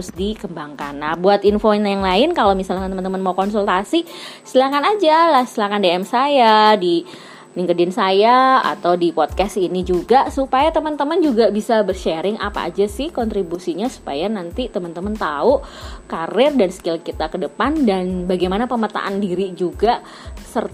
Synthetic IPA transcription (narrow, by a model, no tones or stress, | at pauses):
ɾʊsdikəmbaŋkanːahbuat̪infonjaŋlaɪnkalomisalkant̪əmənt̪əmənmaukɔnsult̪asisilakanad͡ʒalahsilakandeɛmsajadi | liŋkədɪnsajaa̰t̪awdipɔd̚kɛsinid͡ʒuɡasupajat̪əmənt̪əmənd͡ʒuɡabisabərʃeɾɪŋʔa̰pa̰a̰d͡ʒasɪhkɔnt̪ɾibusiɲasu̥pa̰janant̪it̪əmənt̪əmənt̪aʊʔkarɪrdanskɪlkit̪akədəpandanbaɡajmanapəmət̪a̰ʔandiɾid͡ʒuɡa | sər